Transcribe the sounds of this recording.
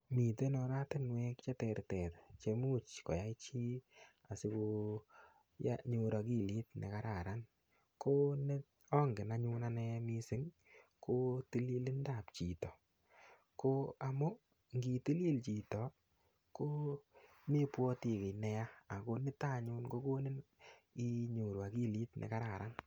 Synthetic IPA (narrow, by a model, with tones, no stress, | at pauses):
mi˨te˦nɔ˧ɾa˦tɪ˦nwe˦kt͡ʃɛ˦tɛ˧ɾtɛ˨tt͡ʃe˧mu˦t͡ʃkɔ̰˨ja˦i˦t͡ʃi˦ | a˨sɪ˧ko˧ | ja̰˦ɲu˧ɾa˧ki˦˨li˦t̚nḛ˨ka˦ɾa˨ɾa˦n | ko˦nɪ˦ | ɔ˦ŋɡɪ˨na˦ɲu˦na˦nɛ˦mi˦sɪ˦ŋ | kʰo˦ti˦li˦lɪ˦nda˨pt͡ʃi˨tɔ˨ | ko˦a˨mʊ˦ | ŋɡi˨ti˦li˦lt͡ʃi˨tɔ˨ | ko˦ | me˦pwɔ˦ti˨ke˨nɛ˦ja˦a˨ko˧nɪ˦ta˦˨ɲʊ˦nko˦ko˦ne˦ni˦ɲu˨ɾwa˨ki˦˨li˦tnʔɛ̰˨ka˦ɾa˨ɾa˦n